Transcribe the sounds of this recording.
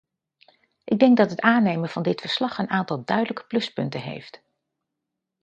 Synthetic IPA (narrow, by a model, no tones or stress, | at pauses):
ʔɪɡ̚dɛŋɡ̚dɑtɦətaːnejmənv̥ɑndɪtfəɹslɑχənaːntɑlˠdœɥdələkə̥plɵspɵntənɦḛjft